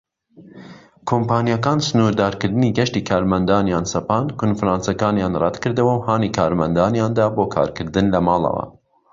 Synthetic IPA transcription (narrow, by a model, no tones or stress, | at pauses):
kʰompɑːnijakɑːnsɨnuːɾd̪ɑːɾkɨɾd̪ɨniːɡɛʃt̪iːkʰɑːɾmɐnd̪ɑːnjɑːnsɐpɑːnkʰonfɾɑːnsakɑːnjɑːnrɑd̪kɨɾd̪ɨwɐwhɑːnikʰɑːɾmɐnd̪ɑːnjɑːnd̪ɑːboːkʰɑ̰ːɾkʰɨɾd̪ɨnlɐmɑːlˠɐ̰wɐ̰